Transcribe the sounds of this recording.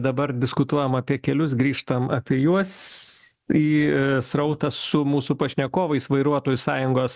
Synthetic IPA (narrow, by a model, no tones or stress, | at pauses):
d̪ɐbɐrd̪ʲɪskʊt̪uɔjɛmɐpʲiɛkʲɛlʲʊsɡɾʲiːʃt̪ɐmɐ̰ːpʲiɛjuɔs | iːsɾɐʊt̪ɐsʊmuːsʊpɐʃʲnʲɛkoːʋɐɪsʋɐɪɾuɔt̪oːjʊsɑːjʊŋɡoːs